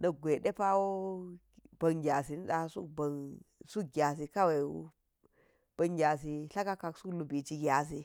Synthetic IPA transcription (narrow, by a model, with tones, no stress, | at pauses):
nɐ˦ɡʷe˨ɗe˦pa˦wo˦ | b̥ɐ˨ŋɡʲa˨si˨n˦ɗa˨˦sṵ˦kba˨nsu˦k̚ɡʲa˨s̬i˨ka˦we˨wṵ˦ | b̥ɐ˨ŋɡʲa˨s̬i˨ɬa˦ka˦ka˨ksu˦klu˨bi˨t͡ʃi˦ɡʲa˨s̬i˦